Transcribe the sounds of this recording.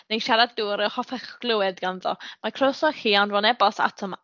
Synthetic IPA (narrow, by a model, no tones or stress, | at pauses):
nenʃaɾaduːɾɛhɔθɛχɡlˠɨwɨdɡanðɔ̰makʰrosɔhiːanvɔnɛbɔsa̰tʰɔm